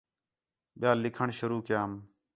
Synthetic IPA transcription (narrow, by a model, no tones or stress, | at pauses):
ɓjaːlːɪkʰəɳʃʊɾuːkjaːm